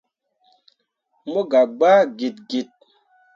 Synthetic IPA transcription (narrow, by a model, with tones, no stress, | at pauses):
mo˦ɡa˨ɡ͡ba˦ɡi˨t̚ɡi˨t̚